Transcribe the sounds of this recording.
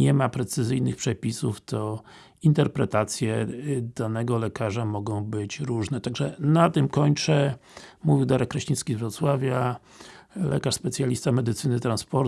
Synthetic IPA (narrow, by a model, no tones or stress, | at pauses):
ɛmapɾɛt̪sɘzɘjnɘxpʂɛpʲisuft̪ɔ | int̪ɛɾpɾɛt̪at̪sʲjɛd̪̥anɛɡɔlɛkaʐamɔɡɔ̃w̃bɘt͡ɕɾuʐnɛt̪aɡʐɛnat̪ɘmkɔɲt͡ʂɛmuvʲiwd̪aɾɛkːɾɛɕit̪skʲizvɾɔt̪swavʲja | lɛ̰kaʂspɛt̪sʲjalʲist̪amɛd̪ɘt̪sɘnɘt̪ɾanspɔɾ